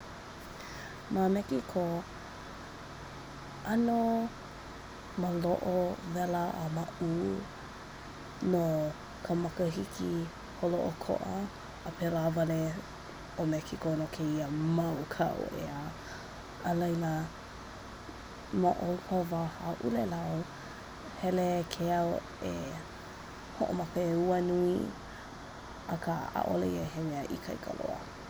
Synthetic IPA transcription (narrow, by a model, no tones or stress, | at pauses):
mamɛkikʰo | ʔɐno | məloʔovɛləʔə̰mau | no | kʰəmɐkəɦikʰi | holoʔokʰo̰ʔɐ | əpʰelavɐle | omɛkʰikonokʰeiəmawkʰa̰ʔo̰ʔḛə | əlɐjlə | maʔolpʰavahaʔulelao | hɛlekʰeaw | e | hoʔo̰mapeuənui | əkʰəa̰ʔo̰lḛiəɦemeəʔḭkʰa̰jkʰa̰lo̰ə̰